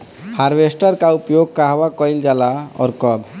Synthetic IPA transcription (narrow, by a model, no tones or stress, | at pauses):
haɾbesʈɔɾkaupjoɡ̚kaɦbakɔjld͡ʒalaɔ̰ɾkɔb